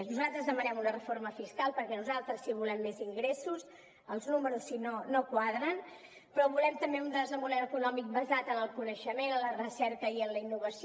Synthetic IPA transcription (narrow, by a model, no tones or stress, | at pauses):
nuzalˠt̪ɾəzðəmənɛmunərəfoɾməfiskalˠpəɾkɛnuzalˠt̪ɾəsːiβ̞ulɛmːeziŋɡɾesus | əlˠznuməɾusːinonokwaðɾən | pɾɔβulɛmt̪əmbeund̪əzəmunɛləkunɔmik̚bəzat̪ənəlˠkunəʃəmenənlərəsɛɾkəiənləinːuβ̞əsi